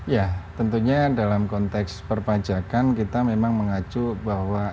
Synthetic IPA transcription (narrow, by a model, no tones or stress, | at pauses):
jat̪ənt̪uɲadalamkɔnt̪ɛkspərpad͡ʒakankit̪amemaŋməŋat͡ʃubahwa